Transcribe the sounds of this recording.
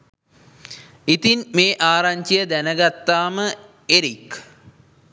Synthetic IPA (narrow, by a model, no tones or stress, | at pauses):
it̪inmeːʔaːɾaɲt͡ʃijəd̪ænəɡat̪ːaːmə | eɾik